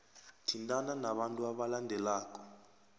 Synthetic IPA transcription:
tʰintʼananaɓantʼuaɓalandʱɛlaːk̬ʼɔ̥

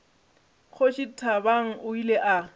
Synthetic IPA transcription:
k͡xʰoʃitʰabaŋ̩ʊileʔa

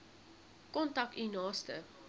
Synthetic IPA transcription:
kɔntɐkinɑːstə̰

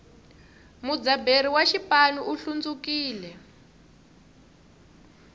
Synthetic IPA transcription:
mud͡zabeɾiwaʃipanuʔuɬund͡zukiːlɛ

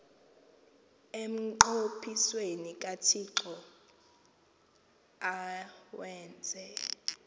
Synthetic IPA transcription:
em̩ǃopʰiswenikʼatʰiǁɔ | awɛːnd͡zʱɛ

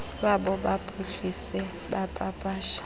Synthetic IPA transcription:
ɓaɓɔɓapʼʰuɬisɛ | ɓapʼapʼaːʃḁ

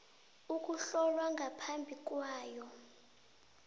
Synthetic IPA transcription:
uk̬ʼuɬɔlwaŋɡʱapʰambʱik̬ʼwaːjɔ

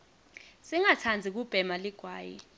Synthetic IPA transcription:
siŋat͡sʰand͡zʱik̬ub̥ʱɛmaliɡ̥ʱwaːjḭ

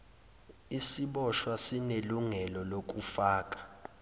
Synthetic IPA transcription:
isiɓɔʃwasineluŋɛlɔlok̬ʼufaːk̬ʼḁ

